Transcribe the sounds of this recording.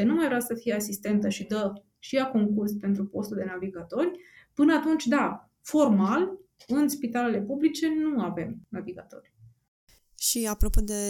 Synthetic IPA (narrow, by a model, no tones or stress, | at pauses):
enumajvɾeasəfijeasist̪e̞nt̪əʃid̪ə | ʃijako̞ŋkurspe̞nt̪ɾupo̞st̪uld̪e̞naviɡat̪o̞rʲ | pɨnəat̪unt͡ʃʲd̪a | fo̞rmal | ɨnspit̪ale̞le̞publit͡ʃe̞nuave̞mnaviɡat̪o̞̰rʲ | ʃiapɾopod̪e